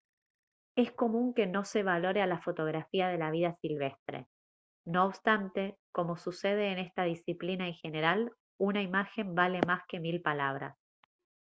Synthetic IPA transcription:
e̞sko̞mũŋke̞no̞seβ̞alo̞ɾealafo̞t̪o̞ɣ̞ɾafiað̞e̞laβ̞iðasilβe̞st̪ɾḛ | no̞ːβst̪ant̪e̞ko̞mo̞suse̞ð̞e̞ːne̞st̪aðisiplinaeŋxe̞ne̞ɾal | unaimaxe̞mbale̞maske̞milpalaβ̞ɾa̰s

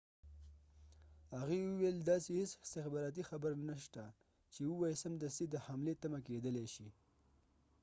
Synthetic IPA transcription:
haɣewuweld̪ɑsehesɪst̪ɪxbɑɾɑt̪̬ixabəɾnaʃt̪a | t͡ʃewuwɑjsəmd̪əsid̪əhamlet̪amaked̪əleʃi

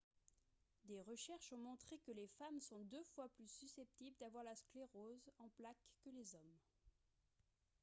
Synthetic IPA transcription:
d̪eʁəʃɛʁʃɔ̃mɔ̃t̪χekəlefamsɔ̃d̪øfwaplysysɛp̚t̪ibld̪avwaʁlaskleʁozɑ̃plakːəlezɔm

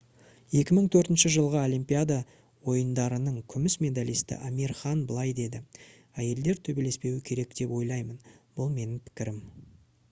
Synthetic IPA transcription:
je̞kʲɪməɴt̪ʰɵɾt̪ɪnʃɪʒəlˠʁəo̞lijmpʲijad̪a | wo̞jənd̪ɑɾənəɴkʲʰʏmɪsmʲe̞d̪alijst̪ɪ̰ʔamirχɑnbəlˠɑjd̪e̞d̪ɪ | æje̞ld̪e̞ɾt̪ʰɵbe̞le̞spe̞wɪkʲʰe̞ɾe̞k̚d̪e̞pwo̞jlˠɑjmənb̥ʊlˠme̞nɪŋpʰɪ̥kʲɪɾɪm

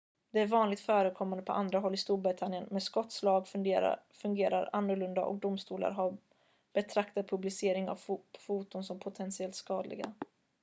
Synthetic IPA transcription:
d̪ɛæɾvɑːnlɪɡ̚t̪fœːɾəkʰɔmːand̪əpʰɔʔand̪ɾaɦɔlːɪst̪uːɾbɾɪt̪ʰanjənmɛskɔt̪ːslɑːɡ | fɵŋɡeːɾa̰ɾanːɵɾɭɵnd̪a̰ʔɔ̰k̚d̪ʊmst̪uːla̰ɾɦa | b̥ɛt̪ʰɾakt̪ad̪̚pʰɵblɪseːɾɪŋa̰vfuːt̪ʊnsɔmpʰʊt̪ʰɛnsɪɛlt̪skɑːd̪lɪ̰ɡa̰

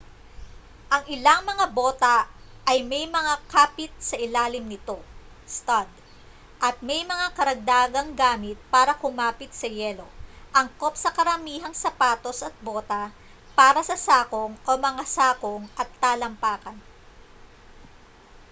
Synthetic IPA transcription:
ʔɐŋɪlɐŋmɐŋabo̞ːt̪ɐʔɐjmɛjmɐŋakaːpɪt̪̚sɐʔɪlaːlɪmnɪt̪o̞ | st̪ɐd̪̚ | ʔɐt̪̚mɛjmɐŋakɐɾɐɡ̚d̪aːɡɐŋɡaːmɪt̪̚paːɾɐkʊmaːpɪt̪̚sɐjɛːlo̞ʔɐŋko̞p̚sɐkɐɾɐmiːɦɐŋsɐpaːt̪o̞sɐt̪̚boːt̪ɐ | paːɾɐsɐsaːko̞ŋʔomɐŋasaːkoŋʔɐt̪ːaːlɐmpaːkɐn

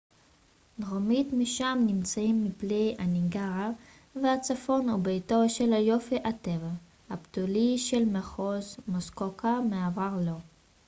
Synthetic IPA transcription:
dʁomitmiʃamnimt͡saimːiplejaniŋɡaʁa | vehat͡safo̞nubejtoʃelajo̞fiʔateva | haptuliʃelmeχozmoskokʰameavaʁlo̞

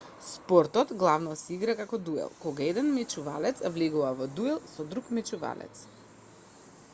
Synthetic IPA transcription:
spɔɾt̪ɔt̪ɡlˠavnɔsɛiɡɾakakɔd̪uɛ̰lˠkɔɡaɛd̪ɛnmɛt͡ʃuva̰lɛt̪svlɛɡuvavɔd̪uɛlˠsɔd̪ɾukmɛt͡ʃuva̰lɛ̰t̪s

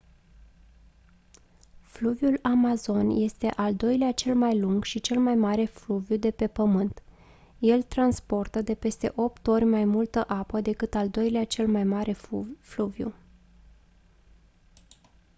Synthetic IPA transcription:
fluvjulamazo̞nje̞st̪e̞ʔald̪o̞jleat͡ʃe̞lmajluŋɡʃit͡ʃe̞lmajmaɾe̞fluvjud̪e̞pe̞pəmɨnt̪ | je̞lt̪ɾanspo̞rt̪əd̪e̞pe̞st̪e̞̰ʔo̞p̚t̪o̞rʲmajmult̪əʔapəd̪e̞kɨt̪ald̪o̞jleat͡ʃe̞lmajmaɾe̞fluvjṵ

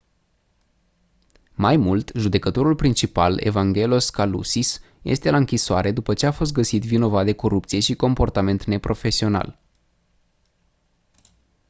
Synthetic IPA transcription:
majmult̪ʒud̪e̞kət̪o̞ɾulpɾint͡ʃipale̞̰vaŋɡʲe̞lo̞skalṵsis | je̞̰st̪e̞laɨŋkʲisoaɾe̞d̪upət͡ʃe̞afo̞st̪ɡəsit̪vino̞vat̪̚d̪e̞ko̞ɾup̚t̪sije̞ʃiko̞mpo̞rt̪ame̞nt̪ne̞pɾo̞fe̞sio̞na̰l

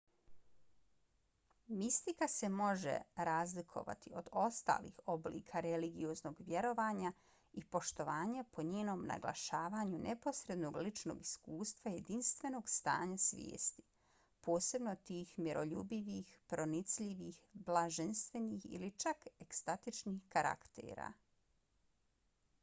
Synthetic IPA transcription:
mist̪ikase̞mo̞ʒḛɾaːzlikʰo̞̰ʋa̰t̪io̞d̪o̞st̪a̰ːlḭːxo̞blḭːkʰaɾeliɡiozno̞ɡʋje̞ɾo̞ʋaːɲa | ipo̞ʃt̪o̞ʋaːɲapʰo̞ɲeːno̞ːmna̰ɡlˠa̰ʃaːʋaːɲunʔepo̞sɾe̞d̪no̞ːɡlit͡ʃno̰ɡiskuːst̪ʋaje̞d̪inst̪ʋe̞no̞ːɡst̪a̰ːɲasʋjḛːst̪i̥ | po̞ːse̞bno̞t̪iːxmiɾo̞ʎṵbiʋiːxpɾo̞nit̪sʎiʋiːxblˠaʒenst̪ʋe̞nixḭlit͡ʃakekst̪at̪it͡ʃnixkaɾʔa̰kt̪ḛːɾa̰ː

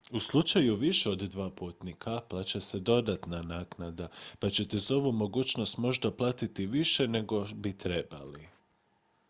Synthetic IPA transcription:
uslˠut͡ʃajuʋiʃeo̞d̪d̪ʋaːpuːt̪nikʰaplˠat͡ɕese̞d̪o̞d̪at̪nanaːknad̪apat͡ɕe̞t̪ezo̞ʋumo̞ɡuːt͡ʃno̞st̪mo̞ʒd̪aplˠaːt̪it̪iʋiʃe̞ne̞ɡo̞bit̪ɾe̞ba̰li

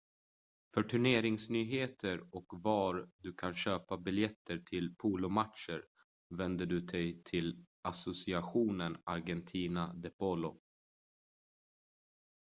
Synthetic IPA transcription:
fœʈʰɵɳeːɾɪŋsnyːɦeːt̪ʰəɾɔkvaɾd̪ɵkʰanɕøːpabɪljɛt̪ʰːəʈʰɪlpʰuːlʊmatʂəɾ | vɛnd̪əɖɵd̪ɛjt̪ʰɪl | asʊsɪaɧuːnənaɾɡɛnt̪ʰiːnad̪ɛpɔlʊ

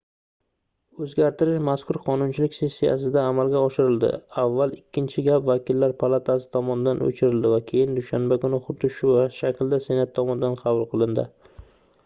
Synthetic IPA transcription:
ɵzɡʲaɾt̪ɪɾɪʃmaskʰʊɾqʰɒnʊnt͡ʃʰɪlɪkʲse̞sːija̰s̬ɪd̪aːmalɡʲaɒʃɪɾɪld̪ɪ̰avːalˠɪkʲːɪnt͡ʃʰɪɡʲapvakʲɪlːaɾpʰalˠat̪ʰasɪ̥t̪ʰɒmɒnɪd̪anɵ̰t͡ʃʰɪɾɪld̪ɪvakʲʰe̞jɪnd̪ʊʃanbakʊnɪχʊt̪ːɪʃʊvaʃakʲʰld̪ase̞nat̪ʰːɒmɒnɪd̪anqʰɑvʊlˠqʰɨlˠɪnd̪ɪ̰

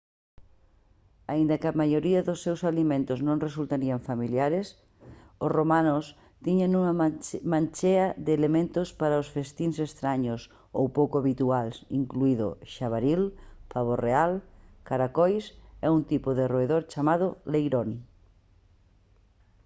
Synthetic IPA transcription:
aind̪ɐkɪamajoɾiɐðʊsːewsalimẽnt̪ʊznõŋresult̪aɾiaɱfamiljaɾɪs | osromanʊs | t̪iɲanũŋɐmãnt͡ʃeɐðeːlemẽnt̪ʊspaɾaosfest̪insest̪ɾaɲʊs | owpowkʊaβit̪ualsiŋkluiðʊ̰ʃaβaɾilpaβ̞orealkaɾakojsɛunt̪ipʊðɪroeðoɾt͡ʃamað̞ʊlejɾoni

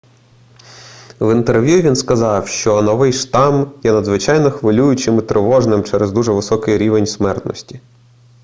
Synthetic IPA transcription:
ʋint̪erʋʲjuʋʲinskɐzɑwʃt͡ʃɔnɔʋɪjʃt̪ɑmjɛnɐd̪zʋɪt͡ʃɑjnɔxʋɪlʲujʊt͡ʃɪmɪt̪ɾʔɪʋɔʒnɪmt͡ʃɛɾezd̪uʒɛʋɪsɔkɪjɾʲiʋenʲsmɛrt̪nɔ̰sʲtʲi

